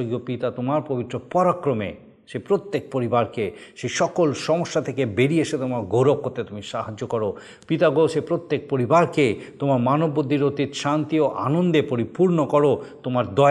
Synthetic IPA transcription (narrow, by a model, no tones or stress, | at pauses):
oɡiopit̪at̪omaɾpobit̪ːɾopɔɾakɾomḛ | ʃepɾot̪ːek̚poɾibaɾkeʃeʃɔkolʃɔmoʃːat̪ʰekebeɾieʃet̪omaɾɡoɾob̚kot̪ːet̪umiʃaɦad͡ʑːokɔɾo | pit̪aɡoʃepɾot̪ːek̚poɾibaɾket̪omaɾmanobːod̪ʱːiɾot̪it̪ʃant̪ioʔa̰nond̪epoɾipuɾnokɔɾot̪omaɾd̪ɔ